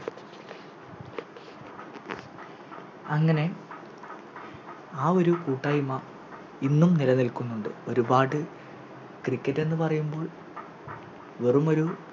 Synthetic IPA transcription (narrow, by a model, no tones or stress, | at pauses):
ɐŋːɐne̞ | aːo̞ɾukuːʈːaːjuma | inːumnilɐnilkunːuɳɖɨ̰o̞ɾubaːʈːɨ | krikːɐtːe̞nːɨpɐrɐjumbo̞ːɭ | ʋerumo̞ɾu